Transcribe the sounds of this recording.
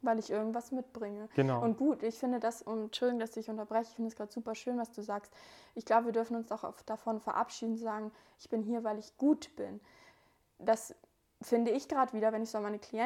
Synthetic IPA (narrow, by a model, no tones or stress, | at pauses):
vaɪlɪçʔɪɐɡŋ̩tv̥asmɪt̚b̥ʁɪŋəɡ̥ənʔʊnt̚ɡ̥uːtɪçfɪndədasʊnt͡ʃʊldɪɡʊŋdasdɪçʔʊntɐbʁɛçəɪçfɪndədasɡ̥ʁaːtzuːpɐʃøːnvasd̥uːzaːkstʔɪçɡ̥laʊbəviɐdʏɐfn̩ʊnsaʊxa̰fd̥afɔnfɛɐʔa̰pʃiːdn̩t͡suzaːɡŋ̩ʔɪçb̥ɪnɦiːɐvaɪlɪçɡ̥uːtb̥ɪn | d̥as | fɪndəɪçɡ̥ʁaːtəviːdɐvɛnɪçzoamaɪnəkʰliɛ